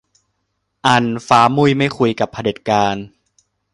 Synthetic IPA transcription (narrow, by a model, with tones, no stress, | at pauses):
ʔa˧nfaː˦˥mu˥˩jma˥˩jkʰu˧jka˨˩pʰa˧de˨˩t̪̚kaː˧n